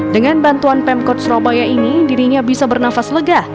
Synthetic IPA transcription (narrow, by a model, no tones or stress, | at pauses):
dəŋanbant̪uanpɛmkɔt̪̚sɾɔbajainidiɾiɲabisabərnafasləɡah